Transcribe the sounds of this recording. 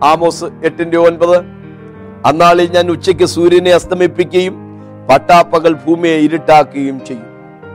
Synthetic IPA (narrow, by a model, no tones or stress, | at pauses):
aːmo̞ːsɨeʈːindeonbɐðɨ | ɐnːaːɭiɲaːnut͡ɕːɐk̬ʲːɨsuːɾjɐneɐst̪ʰɐmipːikʲːɐjum | pɐʈːaːpːɐɣɐɭbʱuːmijeiɾiʈːaːkːuɐjumt͡ɕe̞jːum